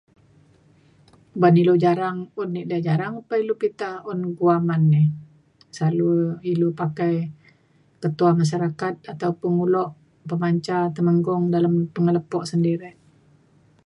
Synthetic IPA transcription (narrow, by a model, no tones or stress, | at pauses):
banilud͡ʒaɾaŋʊnːiʔdad͡ʒaɾaŋupailupit̪aɔnɡuamanːɪ | saluilupakaj | kət̪uamas̬aɾakat̪̚at̪aupəŋulɔʔ | pəmaɲt͡ʃat̪əməŋɡɔŋdalampəŋələpɔʔsəndiɾɛ